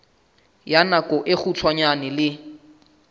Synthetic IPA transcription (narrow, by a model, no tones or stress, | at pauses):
janakʼɔʔɪk͡xut͡sʰwaɲanɪlɪ